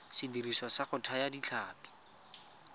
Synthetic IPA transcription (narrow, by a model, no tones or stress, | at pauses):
sɪdirisɔsaχʊtʰajadit͡ɬʰaːpi̥